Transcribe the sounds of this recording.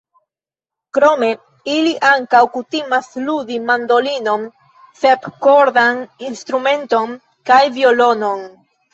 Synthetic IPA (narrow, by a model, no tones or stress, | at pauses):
kɾo̞me̞ | iliʔaŋkawkutimasludimando̞lino̞n | se̞pkoɾdaninst̪ɾume̞nto̞n | kajvio̞lo̞no̞n